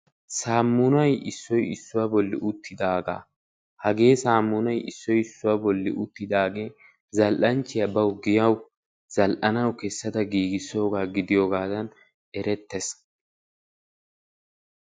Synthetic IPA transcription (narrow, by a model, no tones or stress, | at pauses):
saːmːʊnɐjɪsːɔjɪsːʊwaːbɔlːɪ̰ʔʊt̪ːɪd̪aːɡa̰ː | hɐɡe̞ːsaːmːʊnɐjɪ̰sːɔjɪsːʊwaːbɔlːɪ̰ʔʊt̪ːɪd̪aːɡe̞ː | zɐlʔɐnt͡ʃːɪjɐbɐwʊɡɪjɐw | z̥ɐlʔɐnɐwkɛsːɐd̪ɐɡiːɡɪsːo̞ːɡaːɡɪd̪ɪjoːɡaːd̪ɐn | ɛɾɛt̪ːɛs